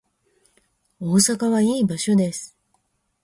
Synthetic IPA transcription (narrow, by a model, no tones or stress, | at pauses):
o̞ːsakaβaiːbaɕo̞d̪e̞sɨ̥